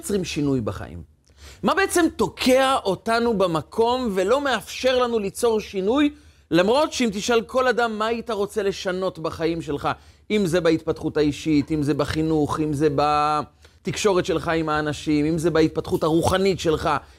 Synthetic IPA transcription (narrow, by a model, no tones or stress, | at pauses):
t͡sʁimʃinujbaχa̰ʔḭmː | abe̞et͡se̞mt̪o̞kʰeaʔo̞tanubamakʰo̞mve̞lo̞me̞afʃe̞ʁlanulit͡so̞ʁʃinuj | lamʁo̞tʃeimt̪iʃalko̞ladamːaːit̪aʁo̞t͡se̞le̞ʃano̞tbaχaimʃe̞lχaimzebait̪̚pat̪χutaiʃitimze̞baχinuχimze̞ba | t̪ikʃo̞ʁetʃelχaimhaːnaʃimimzebait̪̚pat̪χuthaʁuχanitʃe̞lχa